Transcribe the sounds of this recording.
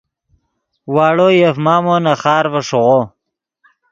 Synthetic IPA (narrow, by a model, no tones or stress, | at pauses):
waːɽojefmaːmonaχɑːɾvəʂoʁo